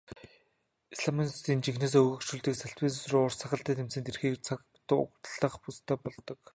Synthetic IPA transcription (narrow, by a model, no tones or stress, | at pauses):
isɮaminst̪iːnt͡ɕixneːs̬ːɵɣɵ̆kʃuɮt̪iːksaɬpiːnsrʊːrsaχə̆ɬt̪æːt̪ʰemsɘ̆nt̪ʰerxiːkt͡sʰak | t̪ʊkt̪əɮə̆χpust̪ʰœːpɔɮt̪ɞ̆k